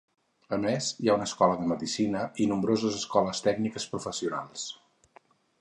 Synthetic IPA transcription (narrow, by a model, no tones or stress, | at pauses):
əmesjaunəskɔləðəməðisinəinumbɾozəzəskɔləst̪ɛɡnikəspɾufəsiuna̰lˠs